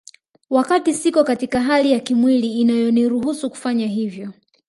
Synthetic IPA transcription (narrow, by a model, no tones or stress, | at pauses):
wakatisikɔkatikaɦalijakimwiliːnajɔniɾuhusuku̥faɲaɦivjɔ